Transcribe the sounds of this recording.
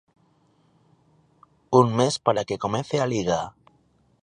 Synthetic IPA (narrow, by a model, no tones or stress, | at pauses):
unmespaɾakekomenθealiɣ̞a